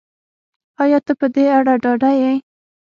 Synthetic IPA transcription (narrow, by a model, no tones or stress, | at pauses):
ɑjɑt̪əpəd̪eaɽaɖɑɖajej